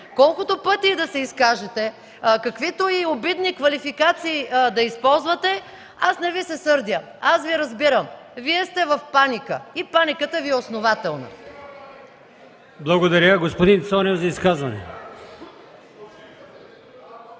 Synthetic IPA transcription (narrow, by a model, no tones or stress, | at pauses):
kɔlˠkʊt̪opɤt̪id̪ɐsɛiskaʒɛt̪ɛ | kɐkvit̪oiobid̪nikvɐlifikat̪siːd̪ɐispɔlˠzvət̪ɛ | asnɛvisɛsɤɾd̪ʲjə | asviɾɐzbiɾəmviɛst̪ɛvɐfpanikəipanikət̪əviɛosnovat̪ɛlˠnə̰ | blˠɐɡod̪ɐɾʲaɡospod̪int̪sɔnɛvzɐiskazvɐnɛ̰